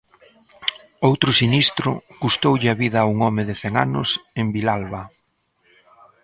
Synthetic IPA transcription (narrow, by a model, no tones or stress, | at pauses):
owt̪ɾʊsinist̪ɾʊkust̪owʎɪaβiðɐuŋɔmɪðɪθɛŋanʊsembilalβɐ